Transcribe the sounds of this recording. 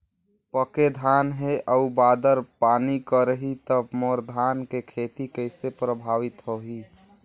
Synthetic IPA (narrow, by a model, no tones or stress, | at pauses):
pəked̪ʱaːnɦeʔəubaːd̪əɾpaːnikəɾəɦit̪əbmoɾd̪ʱaːnkekʰet̪ikəɪsepɾəbʱaːʋɪt̪ɦoɦi